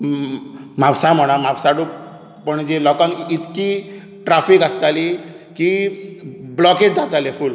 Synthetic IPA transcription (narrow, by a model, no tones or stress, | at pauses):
m̤apsam̤əɽ̃am̤apsaɽu | pəɳd͡ʑelɔkãŋkit̪ki | ʈɾafikast̪ali | ki | blɔket͡sd͡zat̪aleful